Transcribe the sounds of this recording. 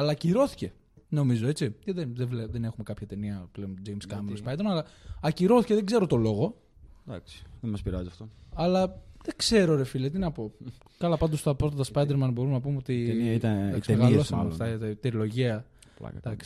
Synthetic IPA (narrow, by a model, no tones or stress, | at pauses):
ɐlɐciɾo̞θi̥ce̞ | no̞mizo̞e̞t͡sicɐðenðeleðenexume̞kɐpçɐt̪e̞niɐpleond͡ʒejmskɐmelspɐjd̪eɾmɐnɐlɐɐciɾo̞θi̥ceðeɡze̞ɾo̞t̪o̞lo̞ɣo̞ | d̪ɐ̰ksi̥ðemɐspiɾɐziɐft̪oɐlɐðekse̞ɾo̞ɾefilɐt̪inɐpo̞ | kɐlɐpɐnd̪o̞st̪ɐpɾot̪ɐt̪ɐspɐjd̪eɾmɐnbo̞ɾumenɐp̬umeot̪iniɐit̪ɐnɐkst̪emɣɐiosɐft̪ɐt̪ɾilo̞ʝeɐ | l̰d̪̥ɐksi̥